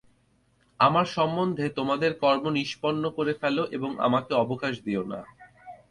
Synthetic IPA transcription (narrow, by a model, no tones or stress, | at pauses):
amaɾʃɔmːond̪ʱet̪omad̪eɾkɔɾmoniʃpɔnːokoɾefɛloʔeboŋa̰makeɔbokaʃd̪iona̰